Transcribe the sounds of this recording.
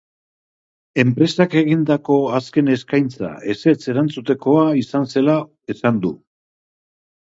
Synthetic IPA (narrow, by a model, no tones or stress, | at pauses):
e̞mpɾe̞sake̞ɣind̪ako̞aske̞ne̞skajnt͡sa̰e̞se̞t͡se̞ɾant͡sut̪e̞ko̞aisanse̞la | esand̪u